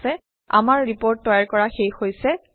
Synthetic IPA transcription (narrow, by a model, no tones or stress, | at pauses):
sɛ | a̰maɹɹipoɹtːɔjaɹkɔɹaxejxojsɛ